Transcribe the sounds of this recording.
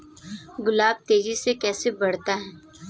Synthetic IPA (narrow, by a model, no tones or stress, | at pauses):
ɡʊlaːb̚t̪eːd͡ʒisekɛːsebɐɽ̤t̪aɦɛː